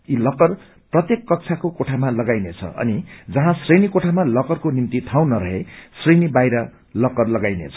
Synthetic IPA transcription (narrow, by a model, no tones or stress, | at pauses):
ilʌkʌr | prʌt̪jekːʌk̚t͡sʰakokoʈʰamalʌɡajnet͡sʰʌ̰ʔʌ̰nid͡zʌɦãsrejnikoʈʰamalʌkʌrkonint̪it̪ʰaw̃nʌɾʌɦesrejnibajɾʌ | lʌkʌrlʌɡajnḛt͡sʰʌ̥